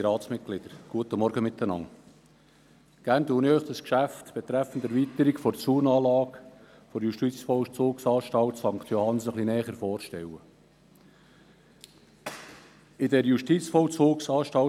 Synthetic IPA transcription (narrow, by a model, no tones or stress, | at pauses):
ɾɑːt̪smɪt̚ɡ̥lɪd̪̥əɾɡ̥uət̪əmɔɾɡəmɪt̪ːənɑ̰ŋ | ɡ̥æːɾntuːnœʏχt̪əskʃæft̪b̥ɛt̪ɾæfːənt̪æɾvit̪əɾikfɔɾt͡suːnɑːlɑːk | fɔɾjuʃtit͡sfɔt͡soːksɑːʃtɑltsɑŋkt̪jɔhɑnsəχlinɛːχəɾfɔːɾʃtɛwə | ɪdɛɾjuʃtit͡sfɔlt͡soːksɑːʃtɑ